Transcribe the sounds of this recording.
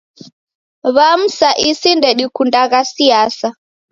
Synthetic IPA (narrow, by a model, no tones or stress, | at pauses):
βam̩saʔisindɛɗikundaɣasiasa